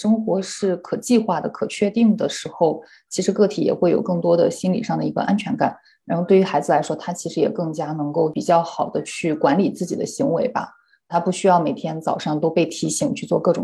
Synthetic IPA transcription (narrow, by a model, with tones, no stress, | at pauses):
ʂɤ˥ŋxwɔ˧˥ʂɻ̩˥˩kʰɤ˨˩t͡ɕi˥˧xwa˥˩d̪ə˩kʰɤ˨˩t͡ɕʰɥɛ˥˧t̪i˥˩ŋd̪ə˩ʂɻ̩˧˥xo˥˧ʊ | t͡ɕʰi˧˥ʂɻ̩˧˥kɤ˥˩t̪ʰi˨˥jɛ̰˨˩xwe˥˩ɪjo̰˨˩ʊkɤ˥˩ŋt̪wɔ˥d̪ə˨˩ɕi˥nlḭ˨˩ʂɑ˥˩ŋd̪ə˩i˧˥ɡə̰˧ʔa˥nt͡ɕʰɥɛ˧˥nka̰˨˩˦n | ɻa˧˥nxo˥˧t̪we˥˩ɪy˧˥xa˧˥ɪd͡zɹ̩˧la˧˥ɪʂwɔ˥t̪ʰa˥t͡ɕʰi˧˥ʂɻ̩˧˥jɛ̰˨˩kɤ˥˩ŋt͡ɕja˥nɤ˧˥ŋko˥˩ʊpi˨˩t͡ɕjɑ˥˩ʊxɑ˨˩ʊd̪ə˦t͡ɕʰy˥˩kwa˧˥nli˨˩t͡sɹ̩˥˩t͡ɕi˨˩d̪ə˦ɕi˧˥ŋwe˧˥ɪbɐ̰˧ | t̪ʰa˥pu˥˩ɕy˥jɑ˥˩ʊme˨˩ɪt̪ʰjɛ˥nt͡sɑ˨˩ʊʂɑ˥˧ŋt̪o˥ʊpe˥˩ɪt̪ʰi˧˥ɕi˧˥ŋt͡ɕʰy˥˧t͡swɔ˥˧kɤ˥˩ʈ͡ʂʊ˨˩